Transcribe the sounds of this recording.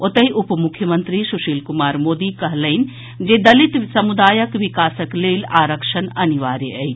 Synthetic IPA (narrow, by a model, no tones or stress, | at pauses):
ot̪əiʔʊpmʊkʰjəmənt̪ɾisuʃiːlkʊmaːɾmoːd̪ikɐɦləɪn | d͡ʒed̪ɐlit̪sɐmud̪aːjəkʋikaːsəkleːlaːɾəkʃənɐniʋaːɾjeəin